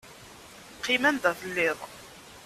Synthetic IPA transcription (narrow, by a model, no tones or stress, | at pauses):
qʰːimænd̪æθəlːɪðˤ